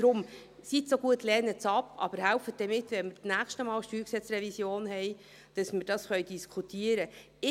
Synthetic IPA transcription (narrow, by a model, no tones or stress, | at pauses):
d̥ɾʊm | sitsoɡuətlɛːnət͡sɑpɑ̰bəɾhælfətd̥ɛmɪtːʋɛnmɪɾt͡snæːχʃtəmɑːlʃtyːɾksɛt͡srɛvisjoːnhɛj | d̥ɑsmɪɾd̥ɑsχœʏd̥iskʰutʰiəɾə | ɪ